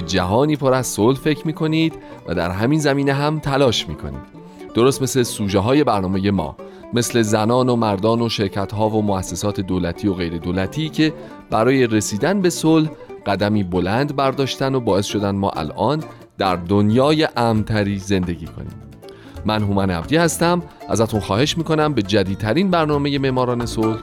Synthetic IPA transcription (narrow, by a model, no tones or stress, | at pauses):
ed͡ʒæɦɒːniːpʰoɾæzsolhfecʰmiːkʰo̞niːd̪ | væ̰d̪æ̰ɾɦæmiːnzæmiːneɦæmt̪ʰælɒːʃmḭːkʰo̞̰nḭːd̪̥ | d̪o̞ɾost̪me̞sle̞suːʒeɦɒːje̞bæɾnɒːme̞je̞mɒ̰ː | me̞sle̞zænɒːno̞mæɾd̪ɒːno̞ʃe̞ɾcʰæt̪ɦɒːvo̞moæsːesɒːt̪ʰe̞d̪oːlæt̪ʰiːo̞ɣe̞jɾe̞d̪oːlæt̪ʰiːcʰe̞ | b̥æɾɒːje̞ɾe̞siːd̪ænbe̞solhɢ̥æd̪æmiːbo̞lænd̪bæɾd̪ɒːʃt̪ænobɒːe̞sʃo̞d̪ænd̪mɒ̰ːʔæ̰lʔɒːn | d̪̥æɾd̪onjɒːje̞ʔæmnt̪ʰæɾiːze̞nd̪e̞ɟiːkʰo̞̰nḭːm | mænɦumænæ̰bd̪iːhæst̪æmʔæ̰zæt̪unxɒːhe̞ʃmiːko̞næmbe̞d͡ʒæd̪iːd̪̚t̪ʰæɾiːnbæɾnɒːme̞je̞me̞ʔmɒːɾɒːne̞solh